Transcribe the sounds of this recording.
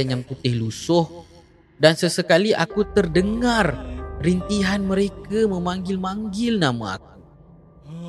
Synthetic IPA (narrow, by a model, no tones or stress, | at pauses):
anjaŋput̪ɪhlusʊh | dansəsəkaliʔa̰kut̪ərdəŋarrint̪iɦanmə̃ɾekamə̃mãŋɡɪlmãŋɡɪlnama̰a̰k̚u̥